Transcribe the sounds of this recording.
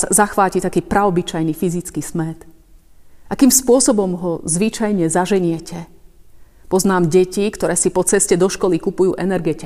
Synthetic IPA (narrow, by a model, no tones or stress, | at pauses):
zaxʋaːcit̪akiːpɾaɔbit͡ʃajnifizit͡skismɛt̪ | ʔakiːmspʊɔsɔbɔmɦɔzʋit͡ʃajɲɛzaʒɛɲɪɛcɛ | pɔznaːmɟɛcikt̪ɔɾɛːsipɔt͡sɛscɛd̪ɔʃkɔlikupujṵːʔɛnɛɾɡɛcɛ